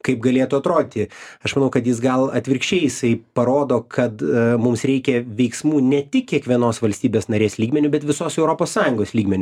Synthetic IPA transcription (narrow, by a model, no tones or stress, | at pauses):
kɐɪp̚ɡɐlʲeːt̪ʊɐt̪ɾoːd̪ʲɪt̪ʲɪɐʃmɐnɐʊkɐt̪jɪs̬ɡɐlˠɐt̪ʲʋʲɪɾʲkʃʲt͡ʃʲɛɪjɪsɐɪpɐɾoːd̪oːkʰɐt̪mʊmsɾʲɛɪkʲɛʋʲɛɪksmuːnʲɛt̪ʲɪk̚kʲiɛkʋʲiɛnoːsʋɐlʲsʲt̪ʲiːbʲeːsnɐɾʲeːslʲiːɡmʲɛnʲʊbʲɛt̪ʋʲɪsoːsɛʊɾopoːssɑːjʊŋɡoːslʲiːɡmʲɛnʲʊ